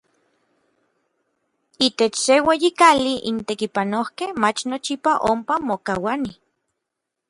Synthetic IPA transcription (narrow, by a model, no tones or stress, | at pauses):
it̪et͡ʃseweːjikaliʔḭnt̪ekipanohkehmat͡ʃnot͡ʃipaʔompamokawani